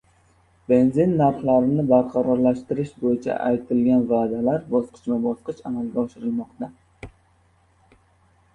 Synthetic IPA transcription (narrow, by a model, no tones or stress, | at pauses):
b̥e̞nzɪnːaɾχlaɾɪnɪbaɾqʰɑɾɒɾlaʃt̪ɪɾɪʃbojɪt͡ʃʰa̰ʔa̰jt̪ʰɪlɡʲanvaːd̪alaɾbɒsqʰɨ̥t͡ʃmɪbɒsqɨʃamalɡʲaɒʃɪɾɪlˠmɒqt̪a